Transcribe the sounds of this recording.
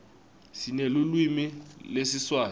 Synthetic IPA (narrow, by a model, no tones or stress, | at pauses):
sinelulwimilesiswaː